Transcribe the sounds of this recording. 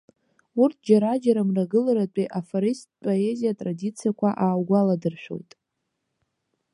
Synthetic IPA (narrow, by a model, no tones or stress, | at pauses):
urtʰd͡ʒaɾad͡ʒaɾamraɡɨlaɾat͡pʷʼiʔafoɾist̚ʼpʼo̞e̞zijatʼradit͡sʰijakʷʰaʔaːwɡʷaladɨrʃᶣo̰wtʼ